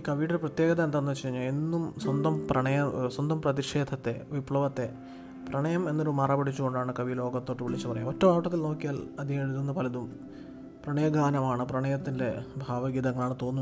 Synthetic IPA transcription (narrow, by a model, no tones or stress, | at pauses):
kɐʋijɽprɐt̪jeːɡɐðɐnd̪ɐnːɐt͡ɕːɐɾiɲːaenːumswɐnd̪ɐmprɐɳɐjɐswɐnd̪ɐmprɐðiʂe̞ːd̪ʱɐt̪ːe̞ʋipɭɐʋɐt̪ːe̞ | prɐɳɐjɐme̞nːoɾumɐrɐbɐɽit͡ɕːuɣo̞ɳɖaːɳɨkɐʋilo̞ːɡɐt̪ːo̞ːʈːɨʋiɭit͡ɕːɨpɐrɐjuotːɐmaːpʈːɐt̪̬ːilno̞ːkːijaːlɐd̪ijeɽuðunːɐpɐlɐðum | prɐɳɐjɐɡaːnɐmaːɳɨprɐɳɐjɐt̪ːinde̞bʱaːʋɐɡid̪ɐŋːɐɭaːɳɨt̪o̞ːnːu